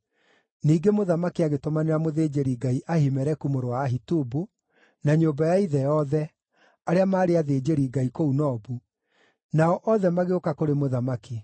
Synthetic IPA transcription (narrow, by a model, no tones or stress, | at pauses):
niːɡemoðamakiaɣetomaneɾamoðeːd͡ʒeɾiɡaiʔahimɛɾɛkumoɾowaːɦitubu | naɲoːbajaiðɛjɔðɛ | aɾeamaːɾeaðeːd͡ʑeɾiːɡaikounɔːbu | naɔʔɔðɛmaɣeokakoɾemoðamaki